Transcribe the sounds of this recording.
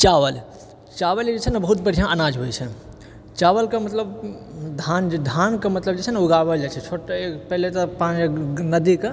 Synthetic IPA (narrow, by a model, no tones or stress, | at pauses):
t͡ʃaʋəl | t͡ʃaʋəld͡ʒet͡ʃʰɛnəbəɦut̪̚bəɽ̤ʱijãʔənad͡ʒɦojt͡ʃʰɛ | t͡ʃaʋəlkemət̪ləbd̪ʱand͡ʒed̪ʱankemət̪ləb̚d͡ʒet͡ʃʰɛnuɡabəld͡ʒet͡ʃʰɛt͡ʃʰoʈeepɛɦlet̪ɔpãt͡ʃnəd̪ike